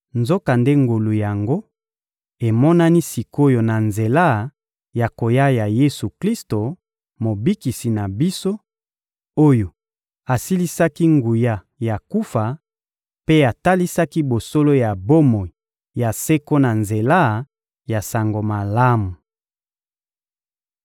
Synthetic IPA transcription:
nzo˦ka˨nde˦ŋɡo˨lu˨ja˨ŋɡo˦ | e˨mɔ˦na˦ni˦si˨ko˦jo˨na˨nze˨la˦˨ | ja˨ko˨ja˦ja˨je˦su˨kli˦sto˨ | mo˨bi˦ki˨si˨na˨bi˦so˦ | o˦jo˨ | a˨si˦li˦sa˦ki˦ŋɡu˨ja˦ | ja˨ku˦fa˨ | pe˦a˨ta˦li˦sa˦ki˦bo˨so˦lo˦ja˨bo˦mo˨i˨ | ja˨se˦ko˦na˨nze˨la˦˨ | ja˨sa˨ŋɡo˨ma˨la˦mu˨

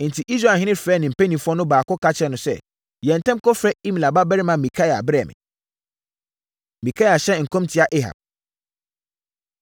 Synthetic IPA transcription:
n̩˨tʰi˨ʔi˦s̬ɾa˨ɦɪ̃˦nɪ̃˦fɾɛː˦nɪ̃˨m̩˨pɛ˦nĩ˨fu˦ɔ˦nʊ̃˦baː˨kɔ˦kʰa˦t͡ɕʰɛ˦nʊ̃˨sɛ̰˦ | jɛ̃˨n̩˨tʰɛ̃˦mkʰɔ˦fɾɛ˦i˦mĩ˨la˨ba˦bɛ˦ɾɪ˦mã˨mĩ˨kʰa˦ja˨bɛ˦˨mɪ̰̃˨ | mĩ˨kʰa˦ja˨ɕɛ˦ŋ̩˨kʰɔ̃˦mtʰɪ˨˦a˦˨ʔe˦ɦa̰˨b̚

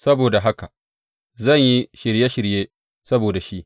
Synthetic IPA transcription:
sɐ˦boː˨da˨ɦa˦ka˨ | zɐ˦˨ɲji˦ʃɪ˨ɾje˦ʃɪ˨ɾjeː˦ | sɐ˦boː˨da˨ʃi˦ʔ

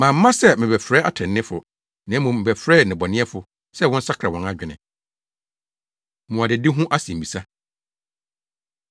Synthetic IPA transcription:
mãː˨m̩ː˦ã˦sɛ˦mɪ̃˨bɛ˨fɾɛː˦a˦tʰɛ̃˨nː˦ɪ̃˦fʊ˨ | nã˨˦mũ˨m̩˨bɛ˨fɾɛː˦˨nɪ̃˨bɔ˨nɪ̃˦ɛ˦fʊ˨ | sɛ˦wɔ̃˦n̩˦sa˦kʰɾa˨wɔ̃˨na˦d͡ʑᶣɪ˨nɪ̃˨ | mʊ̃˨a˨dɪ˨dɪ˦ɦʊ̃˦ʔa˦sĩ˨m̩˨bi˨sa˦

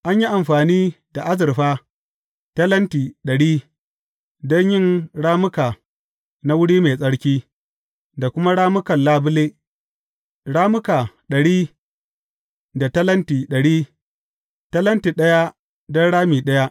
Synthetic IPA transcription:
ʔa˦ɲji˦ʔa˨mɸaː˨niː˦ | da˨ʔa˦zɪ˨ɾɸaː˦ | tɐ˦lɐ˦ntiː˨ɗɐ˨ɽiː˦ | dɔ˦ɲjɪ˦ŋɽaː˦mʊ˦kaː˨ | na˦wʊ˦ɽiː˦me˨sʼɐ˦ɽkʲiː˦ | da˨kʷʊ˦ma˦ɽaː˦mʊ˦kɐ˨nlaː˦bʊ˦leː˦ | ɽaː˦mʊ˦kaː˨ | ɗɐ˨ɽiː˦ | da˨tɐ˦lɐ˦ntiː˨ɗɐ˨ɽiː˦ | tɐ˦lɐ˦ntiː˨ɗɐ˦ja˦ | dɔ˦nɽaː˦miː˨ɗɐ˦ja˦ʔ

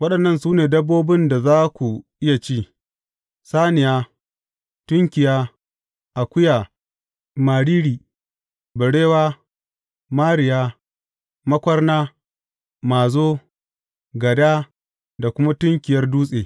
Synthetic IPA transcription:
wɐ˦ɗɐ˨nːɐ˦˨nsuː˦neː˨dɐ˦bːoː˦bɪ˦nda˨zaː˦kʷu˨ʔɪ˦ja˨t͡ʃiː˦˨ | saː˦nɪ˨jaː˦ | tʊ˦ŋkʲɪ˨jaː˦ | ʔa˨kʷʊ˦jaː˨ | maː˨ɽiː˦ɽiː˨ | bɐ˨ɽeː˦waː˦ | maː˦ɽɪ˨jaː˦ | mɐ˦kʷɐ˦rnaː˦ | maː˨zoː˦ | ɡɐ˨daː˦ | da˨kʷʊ˦ma˦tʊ˦ŋkʲɪ˨jɐ˦rduː˦sʼeː˨

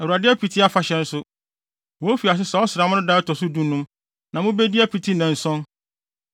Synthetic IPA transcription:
ɛ˨wu˨ɾa˨dɪ˦ɛ˦pʰi˨tʰi˦a˦fa˨ɕɛ̃˨n̩˦sʊ˦ | wɔ˨˦fi˨a˨s̬ɪ˦sɛ˨ɔ˦sɪɾa˨mʊ̃˦ʊ̃˦daː˦ɔ˦tʰɔ˨sʊ˦dũ˦nũ˦m | nã˨mʊ̃˦be˦di˦a˦pʰi˨tʰi˦nã˨n̩˨sɔ̃˦n

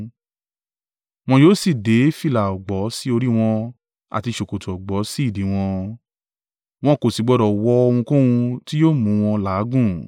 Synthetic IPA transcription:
w̃ɔ̃˧joː˦si˦˨de˨˦fi˦˨la˨ɔ˨ɡ͡bɔ˨˦si˦o˧ɾi˦w̃ɔ̃˧ | a̰˨ti˧ʃo˨ko˨to˨ɔ˨ɡ͡bɔ˨˦si˦˨di˨˦w̃ɔ̃˧ | w̃ɔ̃˧ko˨si˨ɡ͡bɔ˨˦ɾɔ˨wɔ˦o˧w̃ũ˧kũ˦wũ˧ti˦joː˦˨mũ˨˦˧w̃ɔ̃˧laː˨˦ɡũ˦˨

